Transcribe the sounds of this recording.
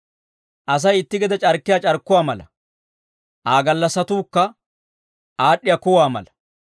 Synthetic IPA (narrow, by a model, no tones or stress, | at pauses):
ʔɐs̬ɐjɪt̪ːɪɡɛd̪ɐt͡ʃʼɐɾkːɪjaːt͡ʃʼɐɾkːʊwaːmɐlɐ̰ | ʔaːɡɐlːɐsɐt̪uːkːɐ | ʔaːɗːɪjaːkʊwaːmɐ̰lɐ̥